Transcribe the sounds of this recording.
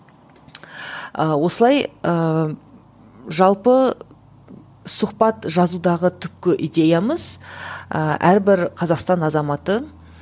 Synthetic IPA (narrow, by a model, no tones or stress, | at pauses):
əwo̞səlˠɑjə | ʒɑlˠpə | sʊqpɑt̪ʒɑzud̪ɑʁət̪ʰʏp̚kʲɪʔid̪e̞jaməzəʔæɾbɪɾqʰɑzɑqst̪ɑnɑzɑmɑt̪ə